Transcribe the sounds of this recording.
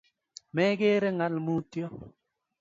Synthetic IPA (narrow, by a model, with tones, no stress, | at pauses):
mɛ˦ɡe˦ɾe˦ŋa˦lmu˦tjɔ˦